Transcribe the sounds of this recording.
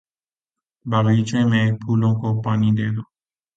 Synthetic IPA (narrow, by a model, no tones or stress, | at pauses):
bʱaːʋiːt͡ʃẽːmẽːpʰuːlõːkoːpaːniːd̪eːd̪oː